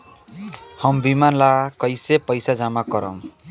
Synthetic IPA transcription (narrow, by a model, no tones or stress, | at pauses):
hʌmbimanlakʌjsepʌjsad͡ʒamakʌɾʌ̰m